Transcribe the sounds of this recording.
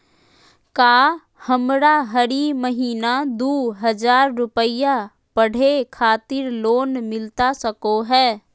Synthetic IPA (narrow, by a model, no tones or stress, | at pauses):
kaː | həmɾaɦəɾiməɦiːnad̪uːɦəd͡ʒaːɾːʊpəja | pəɽ̤ekʰaːt̪ɪɾloːnmɪlt̪asəkoɦɛː